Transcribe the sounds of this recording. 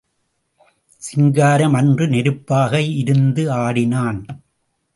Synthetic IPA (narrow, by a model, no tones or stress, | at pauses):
sɪŋɡaːɾɐmɐndrɯnɛɾɯpːaːɣɐɪɾɯnd̪ɯaːɽɪnaːn